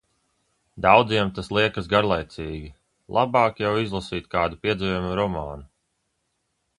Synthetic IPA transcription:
d̪awd̪ziɛmt̪aslˠiɛkazɡaɾlˠajt̪siːɡʲi | lˠʔabɑːkjawizlˠasiːt̪̚ʲkaːd̪upiɛd̪zijumuɾɔmaːnu

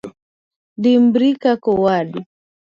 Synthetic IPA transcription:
ɗimbɾikakɔwaɗi

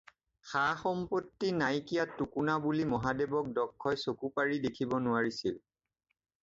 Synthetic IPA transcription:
xaxɔmpotːinajkijatːukunabulimɔɦadebɔk̚dɔkʰːɔjsokupaɹidekʰibɔnʊaɹisil

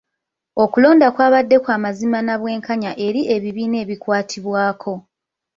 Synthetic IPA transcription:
o̞kulo̞ːndakwaːβadːe̞kwaːmazimanaβwe̞ːŋkaɲaʔe̞ɾiʔe̞βiβiːne̞ːβikwaːtʰiβwaːkʰo̞

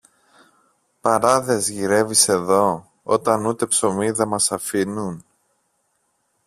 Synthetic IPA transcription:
pɐɾɐðe̞zʝiɾe̞vise̞ðo̞ | o̰t̪ɐnut̪e̞pso̞miðemɐsɐfinun

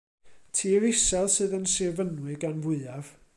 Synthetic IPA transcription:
tʰiːɾɪsɛlˠsɨːðənsɪvənwɨɡanvʊɨav̥

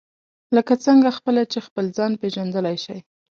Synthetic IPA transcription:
ləkat͡səŋɡaxpəlat͡ʃexpəlzɑnpeʒand̪əlajʃaj

